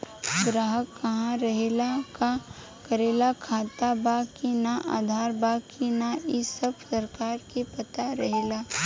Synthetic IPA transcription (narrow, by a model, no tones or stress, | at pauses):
ɡɾaːɦəkːɐɦãɾɐɦeːlaka | kɐɾeːlakʰaːt̪abaːkinaʔa̰ːd̪ʱaːɾbaːkinaʔɪsəbsɐɾkaːɾkepɐt̪aɾɐɦeːlaː